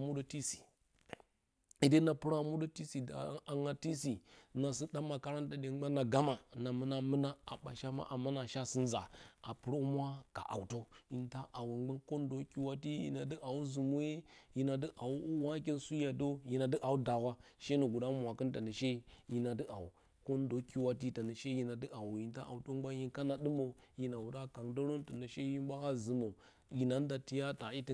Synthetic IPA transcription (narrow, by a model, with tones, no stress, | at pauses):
mu˦do˦ti˦si̥˨ | i˨de˦na˨pu˦ɾa˦˨mu˦do˦ti˦si˨a̰˨˦a˨ŋa˨ti˦si˨na˨si˦ɗa˦mːa˨ka˦ɾa˦nta˨de˨˦ɡ͡ba˦na˨ɡa˦ma˨na˨mə˦na˦mɨ˦na˦a̰˨ɓa̰˨ʃa˦ma̰˦ʔa˨ma˦na˨ʃa˦si˦n˦za̰˨a˨pu˦ɾo˦u˦mʷ˦a˦ka̰˨ʔa̰˨wto˦i˨nta˦ʔa˨wu˨ɡ͡ba˦nko˦ndo˦ki˦wa˦ti˦jḭ˨na˨di˦ʔa˨wu˦zu˨mu˦e˦ji˨na˨də˦ʔa˨wu˦u˦wa˦k̬e˦nsu˦ja˨do˦ji˨na˨də˦ʔa˨wu˦da˨wa˦ʃe˦no˨ɡu˨da˦mʷ˨a˨kə˦nta˨na˨ʃe˦ji˨na˨dɨ˦ʔa̰˨u˨ | ko˦ndo˨˦ki˦wa˦ti˦ta˨nə˨ʃe˦ji˨na˨də˦ʔa˨wu˨ji˨nta˦ʔa̰˨wu˨to˦ɡ͡ba˦n˦i˦nka˦na˨ɗɨ˦mo˨ji˨na˨u˨da˦ka˨ŋdo˦ɾo˦nta˨nə˨ʃe˦ji˦ba˦ka˦zɨ˨mo˨ | ji˨na˨˦n˦da˨ti˦ja˦ta˨i˦ti˦